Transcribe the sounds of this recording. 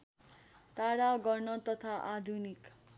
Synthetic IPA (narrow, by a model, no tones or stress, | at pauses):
t̪aɽaɡʌrnʌt̪ʌt̪ʰaʔad̪ʱunik